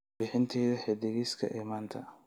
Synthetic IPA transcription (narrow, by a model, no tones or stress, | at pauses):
bɪħɪnt̪ʰɛːðɐħɛd̪ɪɣiːskʰɐ̰ʔɛːmaːnt̪ʰɐ